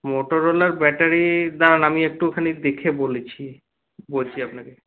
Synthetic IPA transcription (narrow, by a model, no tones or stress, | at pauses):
moʈoɾolaɾbɛʈaɾid̪aɾanamiek̚ʈukʰanid̪ekʰebolet͡ɕʰi | bolt͡ɕʰiapnake